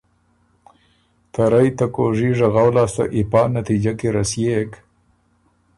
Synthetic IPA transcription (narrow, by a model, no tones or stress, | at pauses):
t̪aɾajt̪akoʐiʐaɣawlɑːst̪a̰ʔipɑːnat̪id͡ʒakeɾasjek